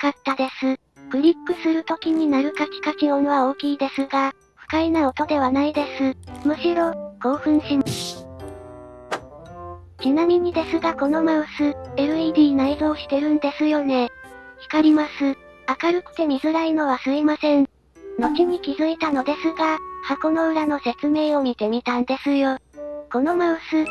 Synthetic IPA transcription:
kat̪ːad̪e̞sɨ | kɯ̟ɾʲipːɯ̟sɨɾɯ̟t̪o̞kʲiɲ̟inaɾɯ̟kakʲi̥kakionoβao̞ːkʲiːd̪e̞sɨɡa | ɸɯ̟̥kainaot̪o̞d̪e̞β̞anaid̪e̞sɨmɯ̟ɕiɾo̞ɡ̥o̞ːɸɯ̟̃ɰ̃ɕim | t͡ɕinamʲiɲ̟id̪e̞sɨɡako̞no̞maɯsɨeɾɯ̟id̪ʲiːnaizo̞ːɕi̥t̪e̞ɾɯ̟̃nd̪e̞sɨjo̞ne̞çi̥kaɾʲimasɨ | akaɾɯ̟kɯ̟̥t̪e̞mʲizɨɾaino̞βasɨimasẽ̞ɴ | no̞t͡ɕiɲ̟ikʲizɨit̪ano̞d̪e̞sɨɡahako̞no̞ɯ̟ɾano̞se̞t͡sɨme̞ːo̞mʲit̪e̞mʲit̪ãnd̪e̞sɨjo̞ko̞no̞maɯ̟sɨ

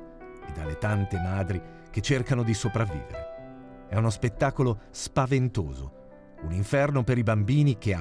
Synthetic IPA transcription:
ed̪alet̪ant̪emaːd̪ɾi | k̟et͡ʃːerkanod̪isopɾavːḭːvḛɾḛ | ɛunospet̪ːaːkolospavent̪oːzo̰ | uniɱfɛrnopeɾibambiːnik̟ea

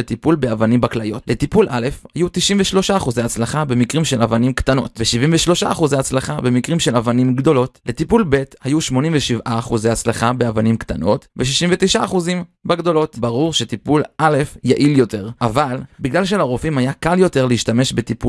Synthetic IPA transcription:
et̪ipulbe̞avanimbaklajotle̞tipulʔale̞fhajut̪iʃimveʃlo̞ʃaːχuzeat͡slaχabe̞mikʁimʃelavanimktano̞̰tveʃivimveʃlo̞ʃaaχuzeat͡slaχabe̞mikʁimʃe̞lavanimɡdo̞lo̞tle̞tipulbe̞thajuʃmo̞nĩmveʃivʔaːχuzeat͡slaχabeavanimktano̞tveʃiʃimvetiʃaːχuzimbaɡdo̞lo̞tbaʁuʁʃet̪ipulʔale̞fjaʔiljo̞te̞ʁʔavalbiɡlalʃ̬elaʁofimhajakaljo̞te̞ʁleiʃtame̞ʃbetipu

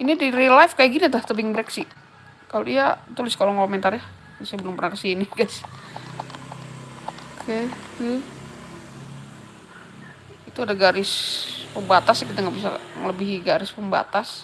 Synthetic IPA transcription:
inidiɾilafkajaɡinit̪aht̪əbɪŋbɾɛksɪʔ | kaloiat̪ulɪskaloŋkomɛnt̪arja | sajabəlumpərnakəsiniɡas | kʰet̪u | it̪uadaɡaɾɪspəmbat̪asakit̪aŋɡaʔbisa̰ŋə̰ləbiɦiɡaɾɪspəmba̰t̪as

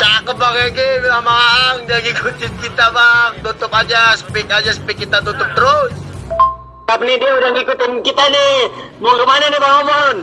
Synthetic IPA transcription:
t̪akəbaɡaɡebilamaŋd͡ʒaɡikʰut͡ʃɪt̪̚kit̪abaŋt̪ut̪ʊpad͡ʒasə̥pɪkad͡ʒasə̥pɪkːit̪at̪ut̪ʊp̚t̪əɾʊs | t̪apnidiudaŋɡikut̪inkit̪anemoŋɾumanenebaŋomɔn

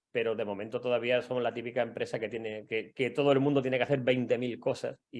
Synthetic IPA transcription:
pe̞ɾo̞ðe̞mõ̞mẽnt̪ot̪o̞ðaβ̞iaso̞molat̪ipikaempɾe̞saket̪jenekeket̪o̞ð̞oelmũnd̪ot̪jenekeaθe̞ɾβe̞jnt̪e̞milko̞sa̰si

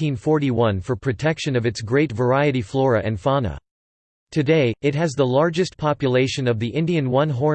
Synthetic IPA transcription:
ĩnfɔɹɾiwʌ̃nfə˞pʰɹ̥ɨtʰɛkʃɨ̃nʌvɨtsɡɹeɪtvə˞aɪɨɾiflɔɹɨʔɨ̃nfɑnə̰ | tʰɨdeɪɨt̚ɦɨzðəlɑɹd͡ʒɨstpʰɑpjɨleɪʃɨ̃nʌvðiʔɪ̃ndiɨ̃nwʌ̃nɦɔɹ

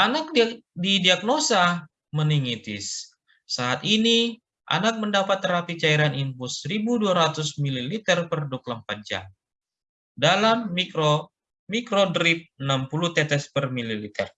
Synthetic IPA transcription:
ʔanak̚ddidiak̚nosa | məniŋit̪ɪsː | aːt̪ini | ʔa̰nak̚məndapat̪ːəɾapit͡ʃaiɾanimpʊsəɾibuduaɾat̪ʊsmililit̪ɛrpərdʊk̚ləmpat̪̚d͡ʒa̰m | dalamːikɾo | mikɾodɾip̚ənampulut̪ɛt̪ɛspərmililit̪ɛ̰r

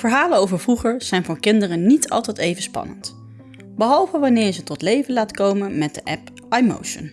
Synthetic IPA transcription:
vəɹɦaːlənowvəɹvruχəɹz̥ɛjnvʊːɹkɪndərənnitʰɑ̰lˠtɛjtejvənspɑ̰nə̰nt | bəɦɑlˠvəʋɑnɪːɹzətɔtlejvənlaːtkowmənmɛt̚dəʔɛp | ʔajmo̰wʃə̰n

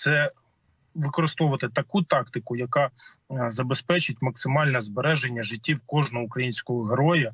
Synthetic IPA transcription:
t̪sɛ | ʋɪkɔɾɪst̪ɔʋʊʋɐt̪ɪt̪ɐkut̪ɑkt̪ɪkʊjɐkɑ | zɐbespɛt͡ʃɪtʲmɐksɪmɑlʲnɛzbeɾɛʒenʲːɐʒɪtʲːiwkɔʒnɔukɾɐjinʲsʲkɔɦɔɦeɾɔjɐ

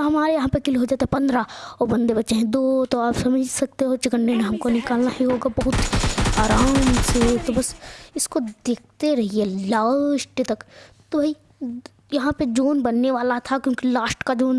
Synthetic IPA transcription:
ɦɐmaːɾejɐɦãpekɪlɦoːd͡ʒaːt̪eɦɛpɐ̃nd̪ɾaɔːɾbɐ̃nd̪ebɐtːʃeɦẽd̪ot̪oaːpsɐməd͡ʒʱsɐk̚t̪eɦot͡ʃɪkənːenẽɦɐmkonɪkaːlnaɦiɦoːɡabɐɦʊt̪aːɾaːmset̪obɐsɪskod̪eːk̚ʰt̪eɾɐɦielaːsʈt̪ɐk | t̪obʱai | jɐɦãped͡ʒoːnbɐnːeʋaːlat̪ʰakjõːkilaːsʈkad͡ʒoːn

